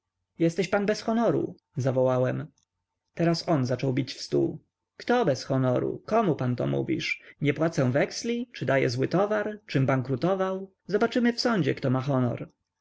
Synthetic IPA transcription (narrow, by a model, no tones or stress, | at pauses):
jɛst̪ɛɕpanbɛsxɔnɔɾṵ | zavɔwawɛm | t̪ɛɾasɔnzat͡ʂɔwbʲit͡ɕfst̪ṵ | kt̪ɔbɛsxɔnɔɾṵkɔmupant̪ɔ̰mṵvʲḭʂɲɛpwat̪sɛ̃vɛkslʲit͡ʂɘd̪ajɛ̰zwɘt̪ɔvaɾt͡ʂɘmbaŋkɾut̪ɔvaw | zɔbat͡ʂɘmɘfsɔɲd͡ʑɛ̰kt̪ɔmaxɔnɔ̰ɾ